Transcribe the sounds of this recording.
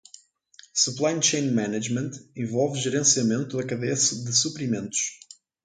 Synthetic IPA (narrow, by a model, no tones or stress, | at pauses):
suplˠajnt͡ʃẽj̃nmɛnɐʒmẽnt̪ẽvɔlˠvʒɨɾẽsiɐmẽnt̪uðɐkɐðesɨd̪ɨsupɾimẽnt̪u̥ʃ